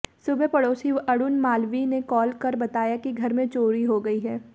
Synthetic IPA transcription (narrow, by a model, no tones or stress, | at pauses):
sʊbepɐɽoːsiɐɽʊnmaːlʋinekɔːlkɐɾbɐt̪aːjakiɡʱɐɾmẽt͡ʃoːɾiɦoɡɐiɦɛː